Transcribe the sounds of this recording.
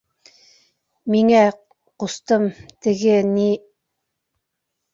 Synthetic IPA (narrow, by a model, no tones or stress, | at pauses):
miŋæ | qust̪ɤmt̪ɘ̆ɡɘni